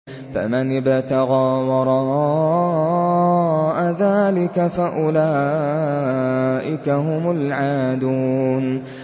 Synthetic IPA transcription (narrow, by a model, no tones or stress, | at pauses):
fa̰manɪbt̪aɣaːwɑɾˤɑɑ | ʔaðaːlɪkafaʔʊlaː | ʔɪkaɦʊmʊlʕaːd̪uːn